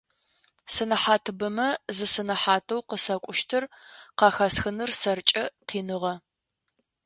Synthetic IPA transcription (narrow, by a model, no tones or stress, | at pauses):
sɨnɐħaːtʰɨbɨmɐzɨsɨnɐħaːtʰowqəsɐkʷʼʊʃtʰɨr | qɑxɐsxɨnɨrsɐrt͡ʃʼɐqiːnɨʁɐ